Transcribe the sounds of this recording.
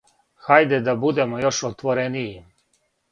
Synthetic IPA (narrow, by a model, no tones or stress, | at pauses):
xajd̪ed̪abud̪e̞mojo̞ʃot̪ʋoɾeniji